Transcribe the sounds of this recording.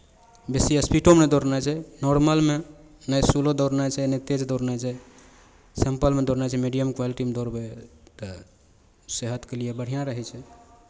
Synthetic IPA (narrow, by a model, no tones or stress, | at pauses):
besiəspiʈomed̪oɾnat͡ʃʰɛnɔɾməlme | nəjsulod̪ɔɾnat͡ʃʰɛnət̪ed͡ʒd̪oɾnat͡ʃʰɛ | səmpəlmed̪oɾnat͡ʃʰɛmiɖijəmkʋaliʈimed̪oɾbet̪ə | seɦət̪kelijebəɽ̤ijãɾəɦɛt͡ʃʰɛ